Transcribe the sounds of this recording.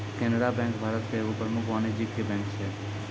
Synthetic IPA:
keːnɾabɛ̃ŋkbʱaːɾət̪keʋupɾəmʊkʋaned͡ʒikːebɛ̃ːŋkt͡ʃʰe

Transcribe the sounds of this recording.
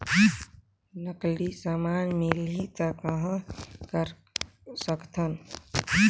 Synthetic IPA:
nəklisamanmilit̪əkəɦə̃kəɾ | səkt̪ʰən

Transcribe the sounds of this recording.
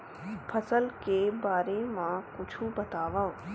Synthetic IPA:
pʰɐsəlkebaːɾemãkʊt͡ʃʰubɐt̪aːʋaːõ

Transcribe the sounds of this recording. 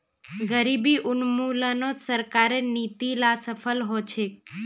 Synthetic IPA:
ɡəɾibiʔʊnmulənosəɾkaɾenit̪ilasəfʰəlɦot͡ʃʰe

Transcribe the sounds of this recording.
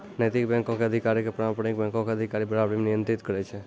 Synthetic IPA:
nəjt̪ikbɛ̃ŋkõkeəd̪ʱikaɾikepɾãmpəɽ̃ik̚bɛ̃ŋkõkeəd̪ʱikaɾibəɾabɾimnijənt̪ɾit̪kəɾet͡ʃʰe

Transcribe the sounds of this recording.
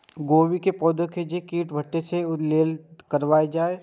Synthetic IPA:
ɡoːwikepɔːd̪õkeːd͡ʒekiːʈbʱɐʈːeseʊleːlkəɾʋaːed͡ʒaːe

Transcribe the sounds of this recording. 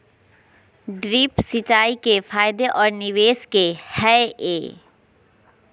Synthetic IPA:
ɖɾiːpsɪt͡ʃaːikefʰaːjd̪eʔɔːɾnɪʋeːskehɛeː

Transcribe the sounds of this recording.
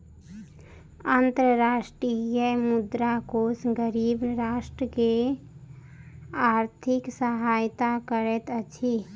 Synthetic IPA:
ant̪ɾəɾaːʃʈɾijəmʊd̪ɾakosɡəɾiːbɾaːsʈɾəke | aːɾt̪ʰɪksəɦaːjt̪akəɾet̪ət͡ʃʰi

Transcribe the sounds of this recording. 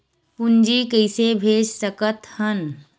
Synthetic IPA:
pʊnd͡ʒiːkəɪsebʱeːd͡ʒsəkət̪hən

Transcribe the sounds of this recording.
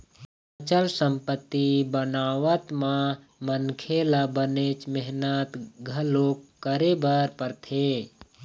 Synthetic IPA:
pt͡ʃəlsəmpət̪ːibənaːʋət̪mã | mənkʰeːlabənet͡ʃmɛɦnət̪ɡʱəloːkkːəɾebəɾpəɾt̪ʰeː

